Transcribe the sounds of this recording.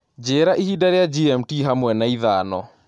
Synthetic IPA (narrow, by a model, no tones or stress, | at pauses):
d͡ʒeɾaʔihidaɾejad͡ʒiɛm̩tiɦamwɛnaiðaːnɔ̰